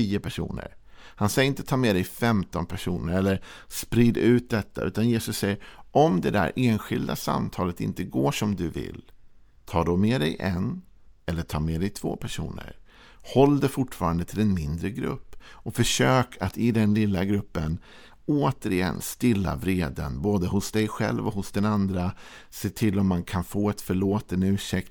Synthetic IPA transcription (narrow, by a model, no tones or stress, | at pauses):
iːəpʰæʂṵːnə̰ɾhansɛjəɪnt̪ə̥t̪ʰɑːmed̪ɛjfɛmt̪ɔnpʰæʂuːnəɾɛlːəɾspɾɪd̪ʉ̟ːt̪̚d̪ɛt̪ʰːaʔʉ̟ːt̪anjeːsɵsːɛjːəɾʔɔmd̪ɛd̪æ̰ɾʔeːnɧɪld̪a̰sa̰mt̪ʰɑːlət̪ɪ̰nt̪əɡoːʂɔmd̪ɵvɪ̰l | t̪ʰɑːɖ̪ɔmeːd̪ɛjʔɛn | ɛlːəʈʰɑːɾmed̪ɛjt̪ʰv̥o̰ːpʰæʂṵːnə̰ɾ | hɔlːd̪ɛfʊʈfɑːɾand̪ət̪ʰɪlɛnmɪnd̪ɾəɡɾɵ̰pːɔfœʂøːkʰat̪ɪd̪ɛnlɪlːaɡɾɵpːən | oːt̪əɾɪjɛ̰nst̪ɪlːa̰vɾeːd̪ə̰nboːd̪əɦʊsd̪ɛjɧɛ̰lvɔhʊsd̪ɛnand̪ɾa | seːt̪ʰɪlːɔmːankʰanfoːɛt̪fœɭoːt̪ənd̪əʉ̟ːʂɛk̚t̪